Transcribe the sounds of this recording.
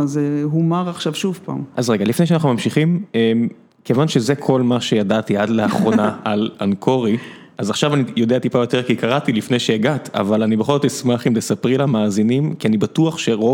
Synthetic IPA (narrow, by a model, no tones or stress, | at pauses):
zeɦumaʁaχʃavʃuvpaːmazʁe̞ɡalifnejʃeanaχnumamʃiχimem | kevanʃe̞zekʰo̞lmaʃe̞jadat̪iadleaχʁo̞naalankʰo̞ʁi | azaχʃavanijo̞d̪eat̪ipajo̞t̪e̞ʁkikaʁat̪ilifne̞jʃejaɡat̪a̰valanibeχo̞lzot̪ismaχimlesapʁilamaːzinimkianibatuaχʃe̞ʁo